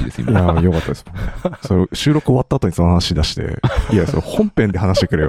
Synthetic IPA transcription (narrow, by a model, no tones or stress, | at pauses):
d̪esḭmjajokat̪ːad̪eɨ̥mnsoɾeɕɨːɾo̞kɯo̞βat̪ːaːt̪o̞ɲ̟iso̞nohanaɕid̪aɕi̥t̪ḛijasohõ̞mpẽnd̪e̞ɦanaɕi̥t̪ekɯ̟ɾej̰